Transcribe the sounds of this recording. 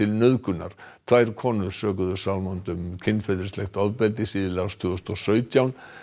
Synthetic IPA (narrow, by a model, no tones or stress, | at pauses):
ɪlnœðkʏna̰ɾ̥t̪ʰvajɾ̥kʰɔːnʏðsœːk̬ʏðʏ̥sawlmɔnt̪ʏmcʰɪnːfɛjðɪ̥slɛxt̪ɔvpɛlt̪ɪsiːðɪlawst̪ʰʏːɣʏst̪ɔsœːɥt̪jawn